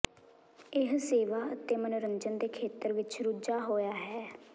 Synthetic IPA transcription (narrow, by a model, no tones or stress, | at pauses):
ɪɦseːʋaːət̪eːmənɾəɲd͡ʒənd̪eːkʰeːt̪əɾʋɪt͡ʃɾʊd͡ʒaːɦoːjaːɦɛː